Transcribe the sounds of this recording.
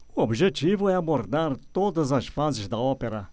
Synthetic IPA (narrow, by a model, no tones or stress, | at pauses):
uobiʒet͡ʃivʊɛaboɾd̪aɾt̪od̪ɐzɐʃfazɪzd̪ɐɔpeɾɐ